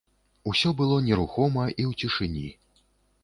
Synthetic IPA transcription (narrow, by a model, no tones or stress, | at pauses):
usʲɔbɨlˠɔnʲɛɾuxɔmɐʔiwt͡sʲiʂɨnʲi